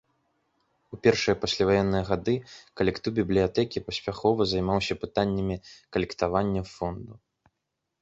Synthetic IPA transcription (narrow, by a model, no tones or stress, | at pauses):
upʲɛrʂɨjɐpasʲlʲavajɛnːɨjɐɣad̪ɨkɐlʲɛkt̪uwbʲiblʲijat̪ɛkʲipɐsʲpʲaxɔvɐzajmawsʲɐpɨt̪anʲːɐmʲikɐlʲɛkt̪avanʲːɐfɔnd̪u